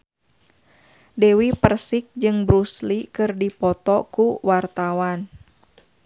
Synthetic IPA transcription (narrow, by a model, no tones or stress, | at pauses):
dɛwipərsik̚d͡ʒɨŋbɾuslikɨrdipɔt̪ɔkuwart̪awan